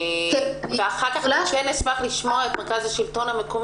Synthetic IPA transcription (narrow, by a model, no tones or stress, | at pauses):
veaχakaχʃenesmaχliʃmoaetmeʁkazaʃilto̞namekom